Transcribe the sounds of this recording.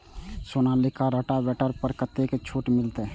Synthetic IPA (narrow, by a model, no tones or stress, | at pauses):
sonalɪkaɾəʈabɛːʈəɾpəɾkət̪ːeket͡ʃʰoːʈmɪlt̪e